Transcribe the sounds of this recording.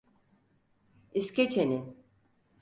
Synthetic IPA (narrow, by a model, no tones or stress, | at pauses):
iscet͡ʃʰenin